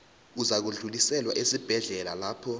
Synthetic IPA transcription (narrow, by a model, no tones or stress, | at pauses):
uzak̬uɮulisɛlwaʔesib̥ʱɛɮɛlalaːpʰɔ